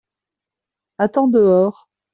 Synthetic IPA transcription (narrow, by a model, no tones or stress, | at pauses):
at̪ɑ̃d̪əɔːʁ